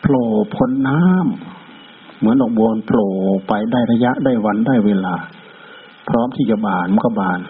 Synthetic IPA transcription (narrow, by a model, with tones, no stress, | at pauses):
pʰloː˨˩pʰo˧˥nːaː˦˥˨mː | ɯ˨˦ənʔdɔː˨˩k̚boː˧npʰloː˨˩pa˧jdaː˥˩jɾa˧ja˧˥ʔdaː˥˩jwa˧ndaː˥˩jweː˧laː˧˩ | pʰɾɔː˦˥˨mt̪ʰiː˧˩t͡ɕa˧˩baː˨˩nm˧˥˦ka˧˩baː˨˩n